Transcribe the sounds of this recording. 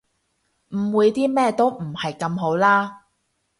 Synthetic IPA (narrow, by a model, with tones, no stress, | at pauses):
m̩˨˩wuː˨˧jt̪iː˥mɛː˥t̪o˥wm̩˨˩hɐ˨jkɐ˧mɦo˨˥wlaː˥